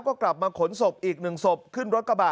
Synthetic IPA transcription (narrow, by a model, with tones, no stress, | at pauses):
kɔː˥˩kla˨˩p̚maː˧kʰo˩˦nso˨˩p̚ʔiː˨˩k̚nɯ˨˩ŋso˨˩p̚kʰɯ˥˩nɾo˦˥t̪̚ka˧baː˨˩